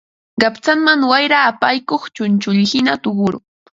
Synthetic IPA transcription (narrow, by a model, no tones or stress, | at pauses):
ɢɑpt͡saŋmaŋwajɾaːpajkoχt͡ʃʊnt͡ʃʊʎhɪnat̪ʊɢʊɾʊ̰